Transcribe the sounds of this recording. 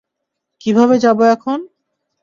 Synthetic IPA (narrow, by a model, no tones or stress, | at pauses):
kibʱaβed͡ʑaboɛkʰon